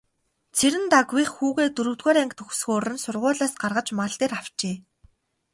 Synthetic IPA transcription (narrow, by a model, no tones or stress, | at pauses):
t͡sʰeɾɘ̆nt̪aɡwiχxuːɣeːt̪ɵɾɵ̆wt̪ɣoːɾæŋkt̪ʰɵxsxoːrɘ̆nsʊrʁʊːɮaːsɢarʁə̆t͡ɕmaɮt̪eːraw̥t͡ɕeː